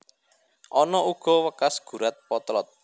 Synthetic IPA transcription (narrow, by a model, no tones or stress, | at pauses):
ʔɔnɔuɡ̥ɔwəkasɡ̥ṳɾat̪̚pɔt̪lɔt̪̚